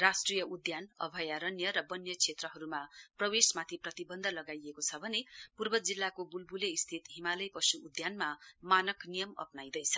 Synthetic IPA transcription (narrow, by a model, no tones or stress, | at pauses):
rasʈrijʌud̪janʌ̰bʱʌjaɾʌnjʌɾʌbʌnjʌkʰet̪rʌɦʌɾumaprʌwesmat̪ʰiprʌt̪ibʌnd̪ʱʌlʌɡajekot͡sʰʌbʱʌnepurbʌd͡zilːakobulbuleist̪ʰit̪ɦimalʌjpʌsuːd̪janmamanʌknijʌmʌ̰pnajd̪ʌjt͡sʰʌ̥